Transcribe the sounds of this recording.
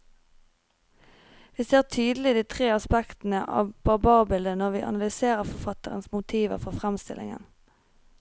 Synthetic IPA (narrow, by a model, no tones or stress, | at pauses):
ʋiːseːʁt̪ʰyːd̪l̩ɪd̪iːt̪ʰʁeːɑspɛkt̪n̩əʔɑ̰ːʋb̥ɑʁbɑːʁbɪld̪ənɔʁʋiːʔɑ̰nɑlʏseːʁəʁfɔʁfɑt̪əʁə̰nsmʊt̪ʰiːʋə̰ʁfɔʁfʁɛmst̪ɪlɪ̰ŋə̰n